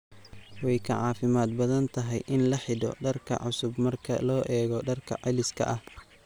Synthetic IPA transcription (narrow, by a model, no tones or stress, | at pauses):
wɛjkʰɐʕɑːfɪmaːd̪̚bɐðɐnt̪ʰɐɦɛjʔɪnlɐħɪdɔ̰ɖɐrkʰɐ̰ʕʊsʊbmɐrkʰɐ̰lɔːʔɛːɣɔɖɐrkʰɐ̰ʕɪlɪskʰɐ̰ʔɐh